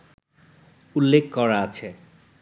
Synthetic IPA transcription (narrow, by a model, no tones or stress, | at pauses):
ulːekkɔɾaat͡ɕʰe